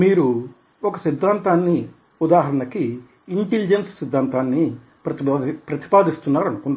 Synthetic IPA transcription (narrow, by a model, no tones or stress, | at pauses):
miːɾu | ɔkɐsid̪ʱːaːnt̪aːnːi | ud̪aːɦɐɾɐɳɐkiː | ɳʈelid͡ʒenssid̪ʱːaːnt̪aːnːi | pɐpɾɐt̪i̥paːd̪ist̪unːaːɾɐnukuɳɖa